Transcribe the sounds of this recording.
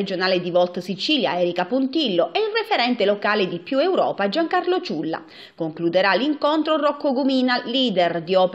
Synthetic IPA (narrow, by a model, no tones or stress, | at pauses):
ed͡ʒonaːled̪ivɔlt̪sit͡ʃiːlja̰ɛːɾikapunt̪ilːoʔɛilrefeɾɛnt̪elokaːled̪ipjuewɾɔ̰ːpad͡ʒaŋkarlot͡ʃulːa̰ | koŋklud̪eɾaliŋkont̪ɾorɔkːoɡumiːnaliːd̪ɛrd̪iɔp